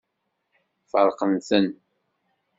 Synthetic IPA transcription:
fəɾˤqənsən

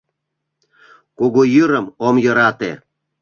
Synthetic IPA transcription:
koɣojɯɾə̆momjɤ̆ɾɑt̪ḛ

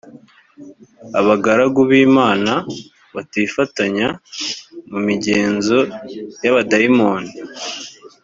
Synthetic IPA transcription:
aβaɡaɾaɡuβiːmaːna | βatifataɲa | mumiɟe̞ːnzo̞jaβadaimo̞ːni

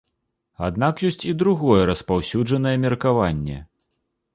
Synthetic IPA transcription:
a̰d̪̚nakjɔsʲt͡sʲid̪ɾuɣɔjɛɾɐspawsʲud͡ʐɐnɐjɛmʲɛrkavanʲːɛ̰

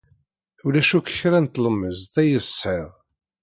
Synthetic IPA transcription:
ulæʃukə̥çɾænt̪ləmːəzθæjəsˤəʁ

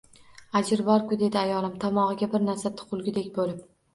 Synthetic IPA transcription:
ad͡ʒɪɾbɒɾkʊd̪e̞d̪ɪajɒlˠɪmt̪ʰɒmɒʁɨɡʲabɪɾnaɾsat̪ʰʊ̥qʰʊlˠɡʲɪd̪ekʲbolɪp

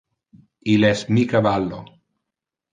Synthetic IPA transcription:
ilɛsmikavalːo̰

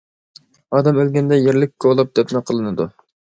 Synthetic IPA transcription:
ɑːd̪ɛmølɡʲɛnd̪ɛjeɾlɪk̚ʲːoolˠɑp̚d̪ɛpnɨqʰəlˠɨnɨd̪u

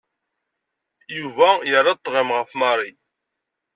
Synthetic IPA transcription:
juvæjəɾˤːɑt̪ˤːʁəmʁəfmɑɾˤi

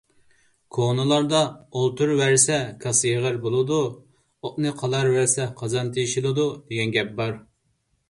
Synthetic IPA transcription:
kʰonɨlˠɑɾd̪ɑolˠt̪ʰuɾwæɾsɛkʰɑsjeʁəɾbolˠɨd̪u | oʔnɨqʰɑlˠɑɾwæɾsɛqʰɑzɑnt̪ʰejʃilˠɨd̪ud̪eɡʲɛnɡʲɛp̚bɑɾ

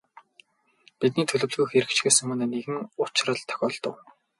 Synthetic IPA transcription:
pit̪̚niːt̪ʰɵɮɵ̆wɮɣujxeɾɘ̆kt͡ɕɡeːsɘ̆ŋmɵneːneɣɘ̆ŋʊt͡ɕrə̆ɮt̪ʰœ̥xʲɔːɮt̪ə̆w

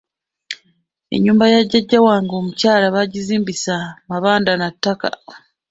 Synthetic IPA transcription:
e̞̰ɲːuːmbajaɟːaɟːawaːŋɡoːmucaːlaβaɟiziːmbisamaβaːndanatːaka̰

